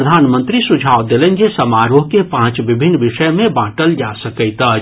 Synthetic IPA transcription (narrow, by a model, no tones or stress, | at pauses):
əd̪ʱanmənt̪ɾisud͡ʒʱaʋd̪elənd͡ʒesəmaɾoɦkepãt͡ʃbibʱinːʋiʃəjmẽbãʈəld͡ʒasəkəɪt̪ə